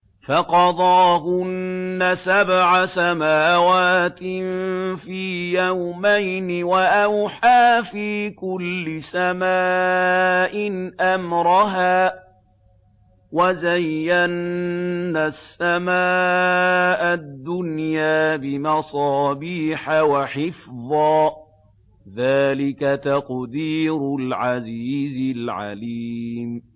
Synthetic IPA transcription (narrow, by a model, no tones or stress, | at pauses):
faqɑd̪ˤɑːɦʊnːasabʕasamaːwaːt̪ɪfiːjawmajnɪwaʔawħaːfiːkʊlːɪsamaː | ʔɪnʔamɾˤɑɦaː | wazajːanː | asːamaː | ʔad̪ːʊnjaːbɪmɑsˤɑːbiːħawaħɪfðˤɑː | ðaːlɪkat̪aqd̪iːɾʊlʕaziːzɪlʕa̰liːm